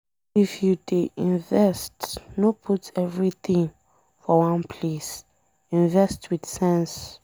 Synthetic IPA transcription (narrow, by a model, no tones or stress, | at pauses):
ifjudeʔĩnvɛstnopʰutɛvɹit̪ĩŋ | fɔwãnpʰles | ĩnvɛstwid̪sɛ̃ns